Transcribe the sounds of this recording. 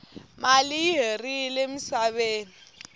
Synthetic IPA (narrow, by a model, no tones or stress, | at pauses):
maliːɦerilemisaβeːni